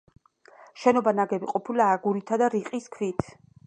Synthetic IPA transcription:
ʃɛnɔbanaɡɛbiqʼɔpʰilaːɡuɾit̪ʰad̪aɾiqʼiskʰvit̪ʰ

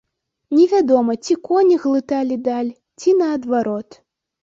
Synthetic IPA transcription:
nʲɛvʲad̪ɔmɐt͡sʲikɔnʲiɣlˠɨt̪alʲid̪alʲ | t͡sʲinɐːd̪vaɾɔt̪

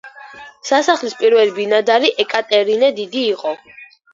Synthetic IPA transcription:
sasaχlispʼiɾvɛlibinad̪aɾiʔɛkʼat̪ʼɛɾinɛd̪id̪iːqʼɔ

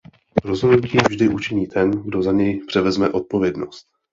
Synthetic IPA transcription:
ɾo̞zɦodnuciːvʒdɪʔut͡ʃɪɲiːt̪ʰɛnɡdo̞zaɲɛjpr̝̥ɛvɛzmɛʔo̞t̪̚po̞vjɛdno̞st̪̚

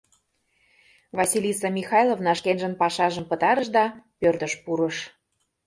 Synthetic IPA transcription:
vɑsʲilʲisɑmʲixɑjlˠovnɑʃkenʒənpɑʃɑʒəmpə̆t̪ɑɾəʃd̪ɑpørt̪ə̆ʃpuɾəʃ

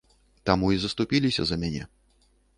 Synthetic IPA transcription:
t̪amuizɐst̪upʲilʲisʲɐ̰zɐmʲanʲɛ̰

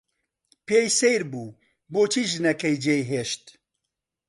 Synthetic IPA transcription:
peːjsejɾbuː | boːt͡ʃʰiːʒɨnɛkɛjd͡ʒeːjɦeːʃt̪

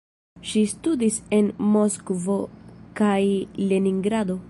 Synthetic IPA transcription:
ʃistudise̞nmo̞skvo̞kajle̞niŋɡɾado̞

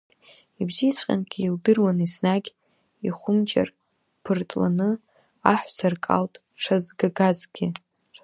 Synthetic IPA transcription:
ibziit͡sʷʰqʲʼa̰nɡʲʰiːldɨrwanisnaɡʲ | iχʷʊmt͡ʃʼa̰r | pʰɨrtʼla̰nɨ | aħʷsarkʼa̰ltʼ | ʈ͡ʂʰazɡaɡazɡʲɪ

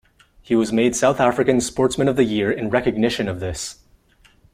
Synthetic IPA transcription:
hiwʌzmeɪd̥saʊθæfɹɨkɨ̃nspɔɹtsmɨ̃nʌvðɨjɪɹɨ̃nɹɛkɨɡ̚nɪʃɨ̃nʌvðɪs

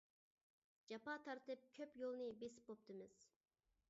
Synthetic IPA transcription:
d͡ʒɑpɑːt̪ʰɑɾt̪ɨp̚kʲʰøpjolˠnɨbesi̥p̚bop̚t̪ɨmɨz̥

